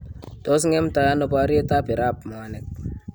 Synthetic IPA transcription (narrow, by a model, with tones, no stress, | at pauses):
to˦s̬ŋe˦mta˨ja˦no˦pa˦ɾi˦e˦ta˦pi˨ɾa˦pma˨a˨nɛ˨k̚